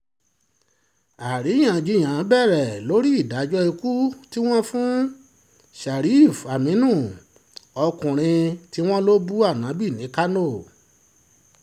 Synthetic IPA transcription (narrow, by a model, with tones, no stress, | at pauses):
a˨ɾi˨˦j̃ã˨d͡ʒi˧˦˨j̃ã˨˦bɛ˦˨ɾɛ˨lo˨˦ɾi˦i˦˨da˨˦d͡ʒɔ˦i˧ku˦ti˦w̃ɔ̃˦fũ˦ | ʃa˨ɾi˨˦˨fa˨mĩ˨˦nũ˦˨ | ɔ˧kũ˨ɾ̃ĩ˧ti˦w̃ɔ̃˦lo˦bu˦a˦˨nã˨˦bi˦˨nĩ˨˦ka˦no˦˨